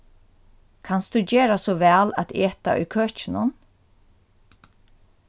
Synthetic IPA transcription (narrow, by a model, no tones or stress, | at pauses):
kʰanst̪ʉːd͡ʑeːɹasɔːʋæːlæ̰t̪eːt̪a̰ʔʏ̰kʰøːt͡ʃɪnʊn